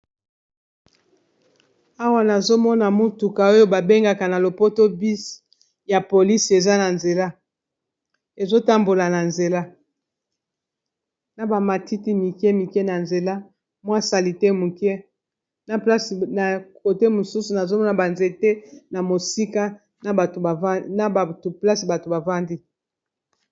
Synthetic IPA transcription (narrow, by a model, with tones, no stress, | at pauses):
a˦wa˦na˨zo˦mɔ˦na˨mu˦tu˨ka˨o˦jo˦ba˨be˦ŋɡa˨ka˨na˨lo˨po˦to˦bi˦s | ja˨po˨li˦si˨e˨za˦na˨nze˨la˦ | e˨zo˦ta˦mbo˨la˨na˨nze˨la˦ | na˨ba˨ma˨ti˦ti˦mi˨kɛ˦mi˨kɛ˦na˨nze˨la˦ | mwa˦sa˨li˨tɛ˦mu˨kɛ˦ | na˨pla˦sna˨ko˨te˦mo˨su˦su˨na˨zo˦mɔ˦na˨ba˨nze˨tɛ˦na˨mo˨si˦ka˦ | na˨a˨˦na˨ba˨to˨pla˦si˨ba˨to˨ba˨va˦ndi˦